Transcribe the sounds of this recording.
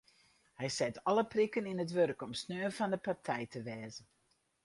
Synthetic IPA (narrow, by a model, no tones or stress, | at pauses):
hɛjsɛtʰɔləprikəninətʋørkɔmsnøːfɑndəpartʰɛjtʰəʋɛːzən